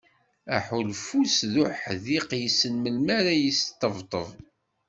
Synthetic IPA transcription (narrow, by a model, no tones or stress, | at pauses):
æħulfusðʊħðiqjəsːənməlmaɾæjəst̪ːəvt̪ˤəðˤ